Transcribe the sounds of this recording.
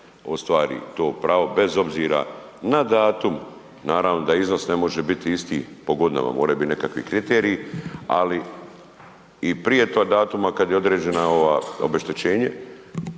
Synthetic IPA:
ost̪ʋaːɾḭt̪o̞ːpɾaːʋo̞be̞zo̞bziːɾa̰nad̪aːt̪um | naːɾaʋno̞d̪aizno̞sne̞mo̞ʒe̞bit̪iist̪ḭːpo̞ɡo̞d̪ina̰ma̰mo̞ːɾajubit̪nekakʋḭkɾit̪eːɾiːa̰li | ipɾije̞t̪od̪aːt̪umakad̪jeo̞d̪ɾeːd͡ʑe̞naoʋao̰be̞ʃt̪et͡ɕe̞ːɲe

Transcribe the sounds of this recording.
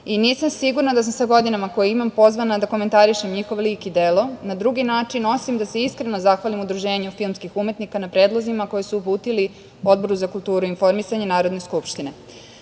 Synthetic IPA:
iniːsamsiɡuɾnad̪as̬amsaɡo̞d̪inamako̞jeimampo̞zʋanad̪ako̞me̞nt̪aɾiʃe̞mɲixo̞ʋoliːkid̪elo̞nad̪ɾuɡinaːt͡ʂino̞simd̪ase̞iskɾe̞no̞zaxʋalimud̪ɾuʒe̞ːɲufilˠmskixume̞t̪nikanapɾe̞ːd̪lˠo̞zimako̞jesuːpuːt̪ili | o̞d̪̚bo̞ɾuzakult̪uːɾuinfo̞ɾmisaɲenaːɾod̪ne̞skupʃt̪ine̞

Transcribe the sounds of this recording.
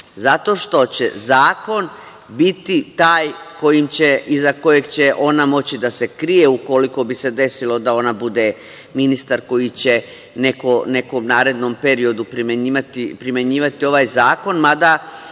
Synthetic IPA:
zat̪o̞ʃt̪o̞t͡ɕe̞zaːko̞n | bit̪it̪aːjko̞jimt͡ɕe̞ʔizako̞je̞ɡt͡ɕe̞ʔo̞namo̞t͡ɕid̪ase̞kɾije̞uko̞liko̞bise̞d̪e̞silo̞d̪ao̞nabud̪e̞ | minist̪aɾko̞jit͡ɕe̞ | ne̞kone̞ko̞mnaːɾe̞d̪no̞mpe̞ɾio̞d̪upɾimeɲiːʋat̪ipɾimje̞ɲiːʋat̪io̞ʋajzaːko̞nmad̪a

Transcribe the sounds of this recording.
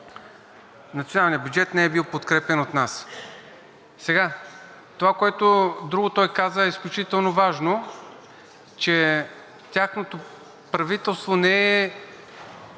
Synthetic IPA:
nɐt̪sionalˠnijəbjud͡ʒɛt̪nɛɛbilˠpot̪kɾɛpɛnot̪nas | sɛɡa | t̪ovakoɛt̪od̪ɾuɡʊt̪ɔjkazəɛisklʲut͡ʃit̪ɛlˠnovaʒno | t͡ʃɛ | t̪ʲjaxnot̪o | pɾɐvit̪ɛlˠst̪vonɛɛ

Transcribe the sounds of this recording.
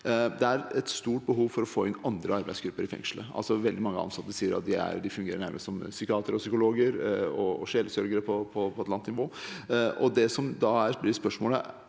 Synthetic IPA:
d̪ɛæɾɛt̪st̪uːʈ̚bəɦuːʋfɔɾɔfoːɪnɑnd̪ɾəɑɾbæɪsɡɾʉpːəɾɪfɛ̰ŋʂləʔɑ̰lsɔʋɛld̪ɪmɑŋːəɑ̰nsɑt̪ːəʂsiːəɾɑ̰t̪̚d̪ɪæ̰ɾd̪ɪfʉŋɡeːɾəɳæɾmʔə̰ssɔmsʏkɪɑːt̪əɾɔsʏkʊloːɡəɾɔɔɕɛːləsœɾɡəɾəpʰɔpʰɔpʰɔɛt̪lɑnt̪nɪʋoːʔɔd̪ɛsɔmd̪ɑæɾblɪspœʂmoːlə̰

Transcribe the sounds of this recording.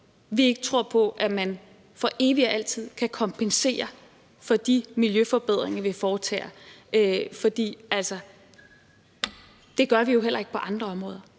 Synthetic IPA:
ʋie̝ɡ̥ət͡sʰʁo̝ɐ̰pʰɒ̽ʔæmæn | fɒ̽ʔe̝ːʋiɒʔæl̰t͡sʰið̞̰ˠkʰækʰɒ̽mpʰense̝̰ːɐ | fɒ̽d̥imiljøfɒb̥e̝ð̞̰ˠʁeŋɐʋe̝fɒːt͡sʰɛ̰ːɐøfɒ̽d̥ḭːæl̰sɐ | d̥e̝ɡ̥ɶɐʋijo̝ɦel̰ɐe̝ɡ̥pʰɒ̽ʔɑ̈nd̥ʁɐɒ̽mʁɔːð̞ˠɐ

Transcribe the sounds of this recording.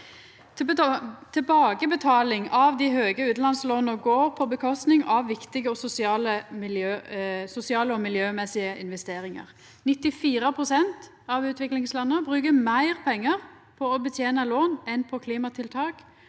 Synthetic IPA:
t̪ʰɛbɑːɡəbət̪ʰɑːlɪŋɑʋd̪ɪɦøːɡəʉːt̪lɑnsloːnəɡoːʁpʰɔbəkʰɔst̪nɪŋɑʋʋɪkt̪ɪɡəɔsʊsɪɑːləmɪljøːsʊsɪɑːləɔmɪljøːmɛsɪəʔɪnʋɛst̪eːɾɪŋə̰ʁ | nɪt̪ːɪfiːɾəpʰʁʊsɛnt̪ | ɑʋʉːt̪ʰʋɪklɪŋslɑnːəbʁʉːkəmæɪʁpʰɛŋːəʁ | pʰɔɔbət̪ʰjeːnəloːnɛnpʰɔkʰliːmɑt̪ʰɪlt̪ʰɑːk

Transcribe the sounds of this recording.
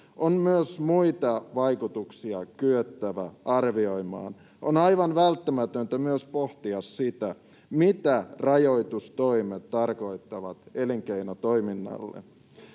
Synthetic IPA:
ʔonmyøsmuit̪ɑʋɑjkut̪uksiɑkyøt̪ːæʋæɑrʋio̞jmɑ̰ːn | ʔo̰nɑjʋɑnʋælt̪ːæmæt̪ønt̪æmyøspo̞ht̪iɑsːit̪æ | mit̪ærɑjo̞jt̪ust̪o̞imet̪ːɑrko̞it̪ːɑʋɑt̪e̞liŋkeinot̪o̞jminːɑ̰lːḛ

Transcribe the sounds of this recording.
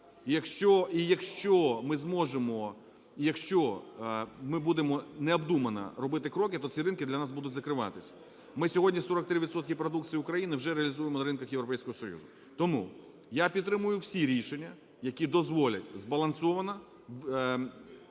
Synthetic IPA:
jɐkʃt͡ʃɔijɐkʃt͡ʃɔmɪzmɔʒemɔ | ijɐkʃt͡ʃɔ | mɪbud̪emɔnɛɐbd̪umɐnɐ̰ɾɔbɪt̪ɪkɾɔkɪt̪ɔt͡sʲiɾɪnkɪd̪lʲɐnɑs̬bud̪ʊtʲzɐkɾɪʋɑ̰t̪ɪsʲɐ̥ | mɪsʲɔɦɔdʲnʲisɔɾɔk̚t̪ɾɪʋʲid̪sɔt̪kʲɪpɾɔd̪uk̚tt͡sʲijʊkɾɐjinɪwʒɛɾeɐlʲizujemɔnɐɾɪnkɐxjewɾɔpɛjsʲkɔɦɔsɔjṵzʊ | t̪ɔmṵ | japʲid̪t̪ːɾɪmʊjʊwsʲiɾʲiʃenʲːɐ | jɐkʲid̪ɔzʋɔlʲɐtʲzbɐlˠɐnsɔʋɐnɐ

